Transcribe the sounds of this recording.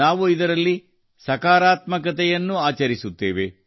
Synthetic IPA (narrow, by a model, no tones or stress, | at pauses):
aːʋuid̪ɐɾɐlːi | sɐkaːɾaːt̪mɐkɐt̪ɛjɐnːuaːt͡ʃɐɾisut̪ːeːʋe̞